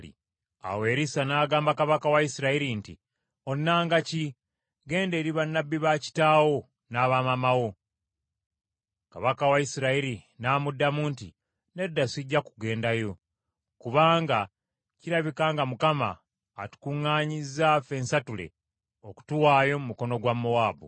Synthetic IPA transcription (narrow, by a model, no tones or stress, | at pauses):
ḭ | a̰we̞ːɾisanaːɡaːmbakaβakawaisiɾaiɾintḭ | o̞nːaːŋɡaci | ɡe̞ːnde̞ːɾiβanːabːiβaci̥taːwo̞ | naːβamamawo̞ | ka̰βakawaisiɾaiɾinaːmudːamuːntḭ | ne̞dːasiɟːakuɡe̞ːndajo̞ | kuβaːŋɡa | ciɾaβikaːŋɡamukama̰ː | tu̥kuŋːaːɲizafe̞nsatule̞̰ | o̞ku̥tuwaːjo̞mumuko̞no̞ɡwamːowaːbṵ